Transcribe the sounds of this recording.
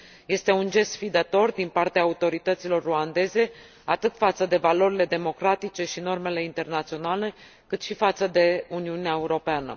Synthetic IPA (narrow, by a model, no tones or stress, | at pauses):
je̞st̪e̞und͡ʒe̞st̪fid̪at̪o̞rd̪inpart̪eaːut̪o̞ɾit̪ət̪silo̞rːuand̪e̞ze̞ | at̪ɨt̪fat̪səd̪e̞valo̞ɾile̞d̪e̞mo̞kɾat̪it͡ʃe̞ʃino̞rme̞le̞int̪e̞rnat̪sio̞nale̞ | kɨt̪ʃifat̪səd̪e̞uniuneae̞uɾo̞peanə̰